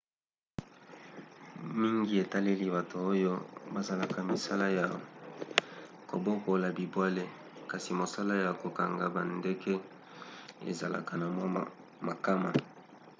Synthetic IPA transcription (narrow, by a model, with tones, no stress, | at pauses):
mi˦ŋɡi˦e˨ta˦le˦li˦ba˨to˨o˦jo˦ba˨za˨la˨ka˨mi˨sa˦la˦ja˨ | ko̰˨bo˦ko˨la˨bi˨bwa˦le˦ | ka˨si˨mo˨sa˦la˦ja˨ko˨ka˨ŋɡa˨ba˨nde˦kɛ˦ | ḛ˨za˨la̰˨ka˨na˨ma˦˨ | ma˨ka˦ma˨